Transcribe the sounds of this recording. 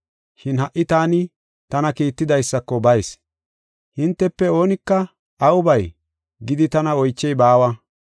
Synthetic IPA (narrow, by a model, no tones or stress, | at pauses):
ʃɪnhɐʔːɪt̪aːnɪ | t̪ɐnɐkiːt̪ːɪd̪ɐjsːɐkːɔbɐjs | hɪnt̪ːɛpːɛo̞ːnɪkːɐ | ɐwʊbɐj | ɡɪd̪ɪt̪ɐnɐɔjt͡ʃːɛjbaːwɐ